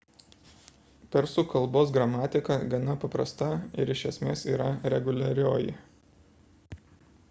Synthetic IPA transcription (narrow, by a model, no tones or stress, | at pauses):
pʲɛɾsʊkɐlˠboːs̬ɡɾɐmɑːt̪ʲɪkɐɡɐnɐpɐpɾɐ̰st̪ɐɪ̰ɾɪʃʲɛsʲmʲeːsiːɾɐɾʲɛɡʊlʲɐɾʲoːjɪ̰